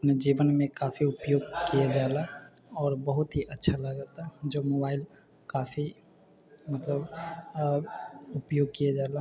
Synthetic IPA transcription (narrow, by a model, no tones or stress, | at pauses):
ɐpned͡ʒiːʋənmẽkaːfʰiʊpjoːɡkijad͡ʒaːla | ɔːɾbəɦʊt̪ɦiʔətːʃʰaləɡət̪ad͡ʒoːmoːbaːɪl | kaːfʰi | mət̪ləb | ʊpjoːɡ̚kijad͡ʒala